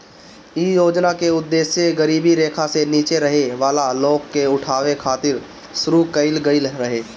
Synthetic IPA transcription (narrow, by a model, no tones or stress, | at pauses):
iːjoːd͡ʒnakeʊd̪ːeːʃjeɡəɾiːbiɾeːkʰaseniːt͡ʃeɾɐɦeʋaːlaloːɡkːeʊʈʰaːʋekʰaːt̪ɪɾ | sʊɾukəɪlɡəɪlɾəɦeː